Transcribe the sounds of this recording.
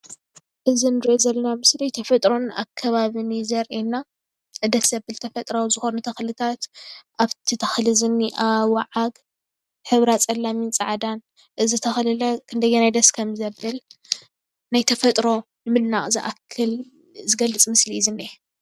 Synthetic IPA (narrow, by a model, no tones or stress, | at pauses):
ʔɨzinɨɾiʔozɐlːɐnamɨslijt̪ʰɐfɐt̪ʼɾo̞na̰kʰːɐβaβɨnizɐɾʔenːa | ʔɨd̪ɐt̪z̥ɐbɨlt̪ʰɐfɐt̪ʼɾawzɨxo̞nut̪ʰɐxlɨt̪ʰat̪ʔaβt̪ʰit̪ʰɐxlɨzɨnːiʔawaʕaɡ | ħɨβɾat͡sʼɐlːamint͡sʼaʕd̪an | ʔɨzɨt̪ʰɐxlɨlɐkʰɨnd̪ɐjenajd̪ɐskʰɐmzɐbɨl | najt̪ʰɐfɐt̪ʼɾo̞ | nɨmɨlnaχʼziʔa̰kʰːɨl | zɨɡɐlːɨt͡sʼmɨslizɨne